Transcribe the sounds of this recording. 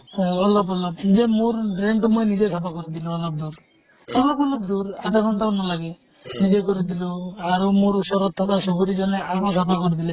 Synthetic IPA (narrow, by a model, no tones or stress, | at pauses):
ɔlɔbɔlɔbnid͡ʒemuɾɖɾeɳʈumɔjnid͡ʒesapʰakoɾid̪iluɔlɔb̚d̪uɾ | sɔbapɔlɔb̚d̪uɾad̪ekʰɔnʈ̪analaɡe | nid͡ʒekɔɾit̪iluaɾomuɾusɔɾɔt̪ʰːɔt̪asuɡuɾid͡ʒɔneaɾosapʰakɔɾid̪ile